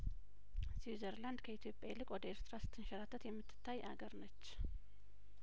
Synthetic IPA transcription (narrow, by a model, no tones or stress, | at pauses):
sizəɾland̪kʰəit̪ʰjo̞pʼjalɨkʼwɔd̪əeɾt̪ɾasɨ̥t̪ʰːɨnʃɛɾat̪ʰːət̪jɛmːɨt̪ʰːɨ̥t̪ʰːajʔa̰ɡəɾnət͡ʃː